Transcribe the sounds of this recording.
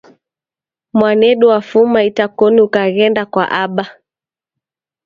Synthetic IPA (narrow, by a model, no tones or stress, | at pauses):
mwanɛɗuwafumaitakɔniukaɣɛndakwa̰ʔaɓa